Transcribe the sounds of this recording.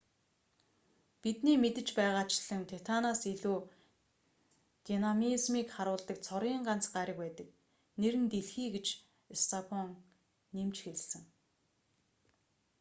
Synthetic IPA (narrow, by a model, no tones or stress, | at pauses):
pit̪niːmet̪ɘ̆t͡ɕpæːʁaːt͡ɕɪɮ̥ɘ̆ŋt̪ʰet̪ʰanasiɮuː | t̪inamizmiːkχaɾʊːɮt̪ə̆k̚t͡sʰɔɾɣʲiːɴɢan̥t͡sɢaɾʲɪ̆k̚pæːt̪ə̆k̚ | neɾɘ̆nt̪eɮxiːɡet͡ɕ | est̪ʰapʰɔŋ | nemt͡ɕxeɮsɘ̆ŋ